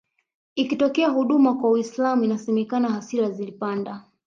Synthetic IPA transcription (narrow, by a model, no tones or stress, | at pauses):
ikitɔkɛaɦuɗumakwawislamuinasɛmɛkanahasiɾazilipanda